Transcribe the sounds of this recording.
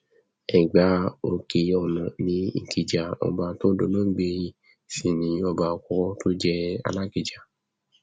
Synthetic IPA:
ɛ˨ɡ͡ba˨˦o˧ke˧˨˧ɔ˧˨nã˨nĩ˨˦ŋ̩˨ki˨d͡ʒa˨ɔ̰˧ba˧to˦do˧mã˦ɡ͡be˧ji˧˨ | si˨nĩ˨˦ɔ˧ba˧˨˧kʷɔ˨˦to˦d͡ʒɛ˧a̰˧la˦ki˨d͡ʒa˨

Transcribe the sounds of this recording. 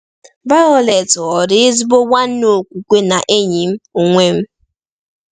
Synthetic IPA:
ba˦ɔ˦le˨tɔ˨ɾɪ˦ɪ˦zi˦bo˦wa˦n̩˦no˨kʷu˨kʷe˦na˨ʔe˦ɲi˨m̩˦o˨ŋʷe˦m̩˦

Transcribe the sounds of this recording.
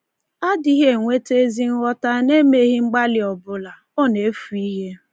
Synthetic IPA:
a˦di˦ɦe˦˨ŋʷe˦te˦zi˦ŋ̩˦ɣɔ˦ta˦ne˦me˨ɦi˦ŋ͡m̩˦ɡ͡ba˦lɪ˨ɔ˨bʊ˦la˨ | o˦ne˨˦fu˨i˦ɦe˦

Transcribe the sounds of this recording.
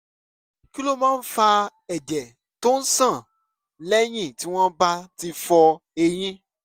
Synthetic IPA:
ki˦lo˦˨mãː˦n̩˦fa˧ɛ˨d͡ʒɛ˨ | to˦n̩˦sã˦˨ | lɛ˦j̃ĩ˦˨ti˦w̃ɔ̃˦ba˦ti˧fɔ˧e˧j̃ĩ˦

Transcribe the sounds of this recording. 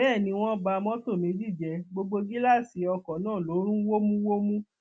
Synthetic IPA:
ɛː˦˨nĩ˧w̃ɔ̃˦ba˧mɔ̃˦to˦˨mĩ˨˦d͡ʒi˦˨d͡ʒɛ˧ɡ͡bo˧ɡ͡bo˧ɡi˦la˦˨si˨˦ɔ˧kɔ̃˨˦nãː˦˨lo˨˦ɾ̃ũ˦wo˦mũ˦wo˦mũ˦

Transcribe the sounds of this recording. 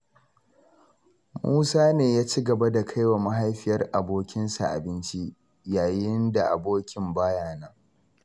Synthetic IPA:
mṵː˦saː˦neː˨jaː˦t͡ʃi˦ɡɐ˨ba˦da˨kʰa˦jwa˨ma˦ɦa˦jɸɪ˨jɐ˦rʔa˨boː˦kʲɪ˦nsa˨ʔa̰˨bɪ˦nt͡ʃi˦ | jaː˨jɪ˦nda˨ʔa̰˨boː˦kʲɪ˨mbaː˦jaː˨naː˦

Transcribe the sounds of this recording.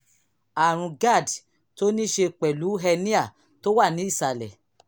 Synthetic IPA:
a˨ɾ̃ũ˧ɡa˦˨d | to˦nĩ˦ʃe˧k͡pɛ˨lu˨˦ɦɛ˧nĩ˦a˦˨ | to˦wa˦˨nĩ˨˦i˦˨sa˧lɛ̰˨

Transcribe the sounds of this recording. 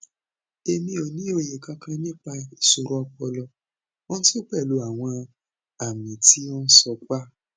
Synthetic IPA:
e˧mĩ˧˦o˨nĩ˨˦o˧je˨kã˧kã˧˦nĩ˦k͡pa˧i˨so˧˨ɾɔ˦ɔ˧k͡pɔ˧lɔ˧ | o˦ñ̩˦so˦k͡pɛ˦˨lo˨˦a˨w̃ɔ̃˧ | a˨mĩ˨ti˨˦õ˦n̩˦sɔ˧k͡pa˦˨

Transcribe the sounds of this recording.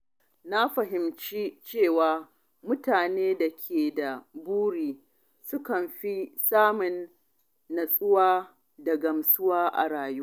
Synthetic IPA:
na˦ɸɐ˨ɦɪ˨mt͡ʃi˦t͡ʃeː˦˨waː˨ | mʊ˦taː˨neː˦da˨kʲʰeː˨da˨buː˦ɾiː˨ | sʊ˦kɐ˨mɸi˦saː˦mʊ˨nː | ɐ˨sʼʊ˦waː˦ | dɐ˨ɡɐ˨msʊ˦waː˦ʔa̰˨ɽaː˨juː˦

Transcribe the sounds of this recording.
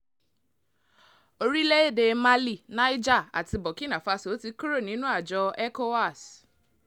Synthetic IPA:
o˧ɾi˦le˦e˦˨de˨˦ma˦li˦˨nã˦i˦d͡ʒa˦˨a̰˨ti˧bɔ˨ki˦nã˨fa˧so˨˦ti˧˦kɾo˦˨nĩ˨˦nũ˦a˨d͡ʒɔ˧ɛ˦ko˦wa˦˨s

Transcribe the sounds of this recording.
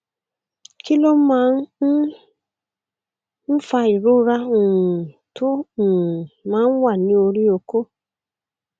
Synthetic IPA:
ki˦lo˦m̩˦ma˨˦n̩˦ | n̩˦fa˦i˨ɾu˦ɾa˦˨ | to˦˨ | ma˦n̩˦wa˦˨ni˨˦o˧ɾi˦o˨ko˦

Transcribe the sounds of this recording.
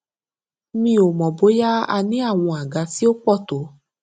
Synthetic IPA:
mĩ˧˦o˨mɔ̃˨bo˨˦ja˦a̰˧nĩ˦a˦˨w̃ɔ̃˧a˨ɡa˨˧˦ti˦o˦k͡pɔ˦˨to˨˦

